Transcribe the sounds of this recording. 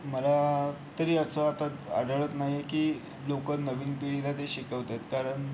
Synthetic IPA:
məlat̪əɾiːəsəat̪at̪a̰ɽəɭət̪naɦjekiː | lokəɾnəʋiːnpiɽilat̪eɕikəʋt̪at̪kaɾəɳ

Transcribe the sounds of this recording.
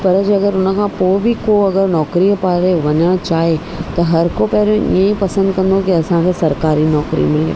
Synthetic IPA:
pɐɾəd͡ʒɐɡəɾʊnkʰãpoːbʱikoːɐɡəɾnɔːkɾiopaːɾeʋɐɲat͡ʃaːɦe | t̪ɐɦɐɾkopɛɦlẽʔḭẽĩpɐsə̃nd̪̚kɐ̃nd̪õkiɐsãkʰesɐɾkaːɾinɔːkɾḭmɪlḛ

